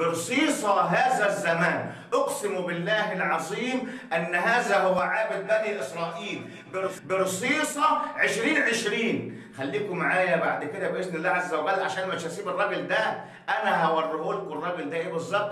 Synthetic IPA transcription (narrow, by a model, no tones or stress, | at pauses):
bɪɾsˤiːsˤɑɦæːzæzːæmæːnʔoqsɪmubɪlːæːɦɪlʕɑzˤiːmʔænːɦæːzæhʊwːæʕaːbɪd̪̚bæniʔɪsɾˤɑːʔiːl | bɪɾbɪɾsˤiːsˤɑʕeʃɾiːnʕeʃɾiːn | xælːiːkʊmaʕaːjæbaʕd̪ked̪æbʔesnɪlːaʕzːæwɣæːlʕaʃæːnmæʃæsiːbɪrˤːɑɡld̪æ | ʔænæɦæwɑrˤːɪʔolkʊrˤːɑɡld̪æʔeːbɨzˤːɑb̚t̪